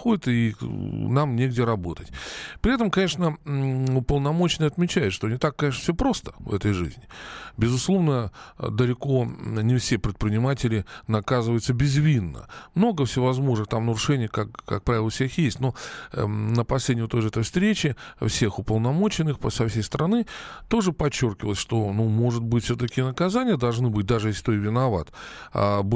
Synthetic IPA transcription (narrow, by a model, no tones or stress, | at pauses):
xodʲɪt̪ɨinamnʲeɡ̚dʲɪɾɐbo̞t̪ətʲpɾʲɪɛt̪̬əmkɐnʲe̞ʂnəʊpəlˠnɐmo̞t͡ɕɪnəjɐt̪mʲɪt͡ɕæjɪt̪ʂt̪onʲɪt̪akːɐnʲeʂ̬nə̥fsʲopɾo̞st̪ə̥vɛt̪əjʐɨ̰zʲnʲɪbʲɪzʊslˠo̞vnəd̪əlʲɪko̞nʲɪfsʲe̞pɾʲɪt̪̚pɾʲɪnʲɪmatʲɪlʲɪnɐkazɨvəjʊt̪səbʲɪzvʲinːə̰mno̞ɡəfsʲɪvɐzmo̞ʐnɨxt̪amnəɾʊʂɛnʲɪjəkakkːak̚pɾavʲɪlˠəfsʲexjesʲtʲno̞ | nəpɐsʲlʲedʲnʲɪjʊt̪oʐəɛt̪əjfst̪ɾʲet͡ɕɪfsʲe̞xʊpəlˠnɐmo̞t͡ɕɪnːɨxpəsɐfsʲejst̪əɾʔɐnɨt̪o̞ʐɨpɐt͡ɕːo̞rkʲɪvəlˠəsʲʂt̪o̞numo̞ʐɨt̪̚bɨtʲfsʲot̪əkʲɪnəkɐzanʲɪjəd̪ɐlˠʐnɨbɨt̚ʲd̪aʐɨjeslʲɪ̥t̪oɪvʲɪnɐva̰t̪a̰b